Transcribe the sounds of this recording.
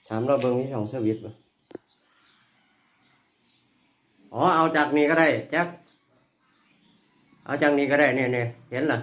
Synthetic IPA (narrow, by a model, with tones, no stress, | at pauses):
t̪ʰaː˨˦mlɔː˧˩wbɤ˧ŋmʰiː˧sɔː˨˩˦ŋsɯː˧˩wi˧˦t̪̚ba˧˦ | ʔɔː˨˦ʔa˧wt͡ɕaː˨˩k̚niː˧ka˧˩ɾa˧˩jt͡ɕa˧˥˩k̚ | ʔa̰˧wt͡ɕaː˨˩k̚niː˧˩kaː˧˩ɾa˧˩jniː˧˩˨ni˧˩he˨˦nla˧˦